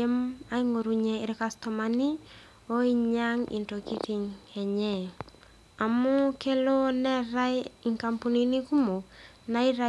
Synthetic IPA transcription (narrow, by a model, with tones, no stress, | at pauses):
e˦ma˦iŋo˨ɾu˨ɲɛɪɾkasto˨mani˦ | o˦iɲaŋḭ˨nto˨ki˦ti˨ŋɛ˨ɲɛ | a˨mo˦ke˦lo˦nɛ˦ɾa˦jiŋka˨mpu˨ni˨ni˦ku˦mo˨k | na˦i˦ɾa